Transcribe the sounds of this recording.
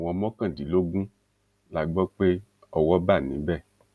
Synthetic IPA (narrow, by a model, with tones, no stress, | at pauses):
w̃ɔ̃˧˦mɔ˦kã˦˨di˨˦lo˦ɡũ˦ | la˨ɡ͡bɔ˦k͡pe˦ | ɔ˨wɔ˦ba˦˨nĩ˨˦bɛ˦˨